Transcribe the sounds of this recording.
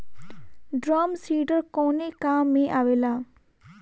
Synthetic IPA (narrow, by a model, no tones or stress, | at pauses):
ɖɾaːmsiːɖəɾkoːneːkaːmːẽːʔaːʋeːlaː